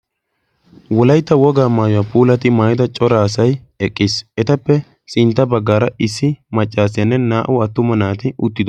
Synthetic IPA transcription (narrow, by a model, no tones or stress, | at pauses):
wɔlɐjt̪ːɐwɔɡaːmaːjʊwaːpuːlɐt̪ɪmaːjɪt̪ɐt͡ʃʼɔɾaːsɐj | ɛkʼːɪsʔɛt̪ɐpːɛ | sʼɪnt̪ːɐbɐɡːaːɾɐʔɪsːɪmɐt͡ʃʼːaːsɪjɐnːɛnaːʔʊɐt̪ːʊmɐnaːt̪ɪʔʊt̪ːɪd̪ɔ